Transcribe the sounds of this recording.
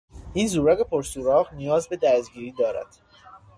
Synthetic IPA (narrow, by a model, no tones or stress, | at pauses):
ʔiːnzuːɾæɣepʰoɾsuːɾɒːɣnijɒːzbe̞d̪æsst̪ɟiːɾiːd̪ɒːɾæ̰d̪̥